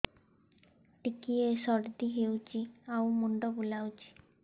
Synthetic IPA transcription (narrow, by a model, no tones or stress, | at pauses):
ʈikiesɔɽd̪iɦewt͡ʃʰiawmuɳɖɔbulawt͡ʃʰi̥